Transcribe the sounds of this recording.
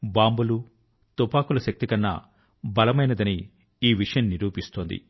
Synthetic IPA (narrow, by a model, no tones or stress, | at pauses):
baːmbulu | t̪upaːkulɐʃɐk̚t̪ikɐnːɐ̰ | bɐlɐmɐjnɐd̪ɐniː | ʋiʂɐjɐnnːiɾuːpist̪oːnd̪ḭ